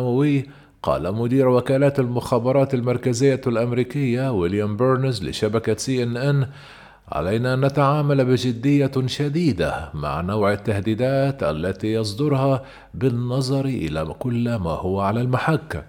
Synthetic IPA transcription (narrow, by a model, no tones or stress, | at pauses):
wawɪː | qɑ̰ːlamʊd̪iːɾwakaːlaːt̪almʊxaːbɑɾˤɑːt̪almɑɾˤkazɪjːalʔamɾiːkɪjːawɪljambʊɾnzlɪ̰ʃabakasiːʔɪnʔɪn | ʕa̰lajnaʔanːat̪aʕaːmalbɪd͡ʒɪd̪ːɪjːaʃad̪iːd̪a̰ma̰ʕnawʕat̪ːahd̪iːd̪aːt̪ʔa̰lːat̪ijɑs̬ˤd̪ʊɾhɑ | bɪnːɑzˤɑɾʔɪ̰la̰kʊlːma̰ːhʊwaʕalalmaħakːa